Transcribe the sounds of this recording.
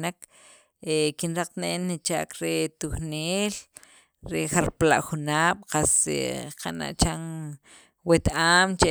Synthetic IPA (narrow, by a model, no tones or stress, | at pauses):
nak | ekinɾaq͡χt̪neʔenːit͡ʃa̰ːkɾet̪uχneːl | ɾexaɾpla̰ʔxunaːɓ̥qasḛqana̰ʔt͡ʃan | wet̪ʔaːmt͡ʃe